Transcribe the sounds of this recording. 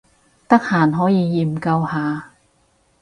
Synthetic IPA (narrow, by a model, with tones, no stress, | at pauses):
t̪ɐ˥k̚haː˨˩nɦɔː˨˥jiː˨˧jiː˨˩mkɐ˧whaː˨˧